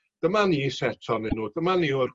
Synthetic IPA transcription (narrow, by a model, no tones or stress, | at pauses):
d̥əmaniːsɛtʰɔnɛnuːd̥əmaniʊr